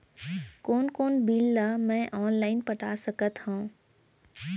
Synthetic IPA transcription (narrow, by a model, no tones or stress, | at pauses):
kɔːnkɔːnbilːamɛ̃ːʔɔːnlaːɪnpɐʈʰaːsəkət̪hũː